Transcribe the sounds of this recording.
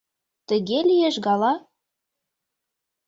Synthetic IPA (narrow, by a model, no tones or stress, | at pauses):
t̪ə̆ɣelijeʃɣɑlɑ